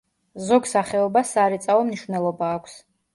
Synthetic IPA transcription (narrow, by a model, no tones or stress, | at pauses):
zɔɡsaχɛɔbasaɾɛt̪sʼaɔmniʃvnɛlˠɔbaːkʷʰs